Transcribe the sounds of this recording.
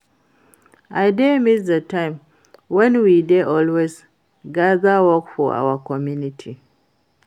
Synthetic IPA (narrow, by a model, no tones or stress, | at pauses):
ʔajdemisdətãɪ̃m | wɛ̃nwideʔɔlwez | ɡaðawɔkfɔa̰wakɔmjunitʰi